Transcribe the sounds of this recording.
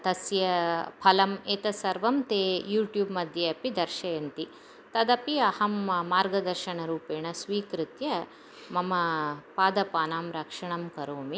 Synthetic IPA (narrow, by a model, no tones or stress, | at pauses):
t̪ɐsjɐpʰɐlɐmeːt̪ɐsɐɾʋɐmt̪eːjuːʈjuːbmɐd̪ʱjɐɐpid̪ɐɾʃɐjɐnt̪i | t̪ɐd̪ɐpiɐhɐmːaːɾɡɐd̪ɐɾʃɐɳɐɾuːpeːɳɐsʋiːkɾɪt̪jɐ | mɐmɐpaːd̪ɐpaːnaːmɾɐkʂɐɳɐmkɐɾoːmi